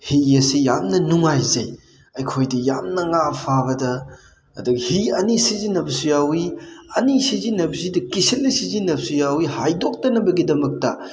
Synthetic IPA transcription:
hiɐsejamnɐnuŋajzɐj | ɐjkʰojdɐjamnɐŋapʰaβɐdɐ̰ː | dɐkhiɐnisizinːɐbɐsujawiɐnisizinːɐbzidɐkisil̚nɐsizinːɐp̚sujawihajdok̚tɐnɐbɐɡidɐmɐk̚tɐ

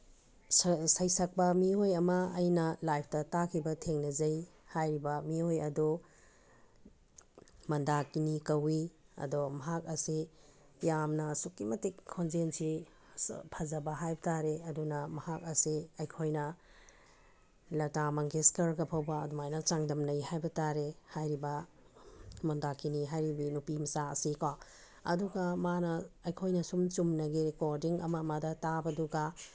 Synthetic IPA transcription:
sɐjsɐk̚pɐmiojɐmɐɐjnɐlajp̚ʰtɐtakʰibɐtʰeŋnɐzɐjhajɾibɐmiojɐdu | mɐndakinikɐwiɐ̰dɔmɐɦak̚ɐsi | jamnɐsukːimɐtikʰːonzensi | pʰɐzɐbɐɦajbɐtʰaɾeɐdunɐmɐhak̚ɐsiɐjkʰojnɐ | lɐtamɐŋɡeskɐɾɡɐpʰɐwbɐːdumajnɐt͡ʃaŋdɐmnɐjɦajbɐtaɾehajɾibɐ | mɔndakʰiniɦajɾibinupimɐsaɐ̰sika | ɐ̰duɡɐmanɐːjkʰojnɐsumt͡ʃumnɐɡiɾekoɾdiŋɐ̰mɐmɐdɐtabɐduɡa

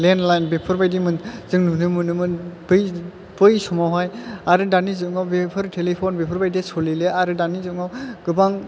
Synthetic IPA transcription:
lenlajnbepʰɯɾbajdimɯnzɯŋnunɯmɯnɯmɯbɯj | b̥ɯjsɔmawɦajaɾɯdanizɯŋawbepʰɯɾtʰelipʰɔnbepʰɯɾbajdesɔlileʔaɾɯdanizɯŋawɡ̥ɯbaŋ

